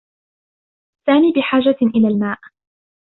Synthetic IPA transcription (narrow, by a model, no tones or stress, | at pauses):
saːmiːbɪħaːd͡ʒaʔɪlaːlmaːʔ